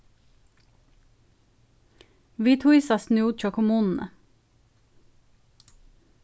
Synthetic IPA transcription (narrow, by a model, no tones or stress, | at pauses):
ʋiːt̪ʰuisɑsnuːd̪t͡ʃokʰʊmuːnn̩ə̰